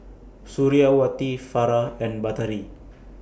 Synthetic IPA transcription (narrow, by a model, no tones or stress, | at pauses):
suɾiawat̪ifaɾaɛnbat̪aɾi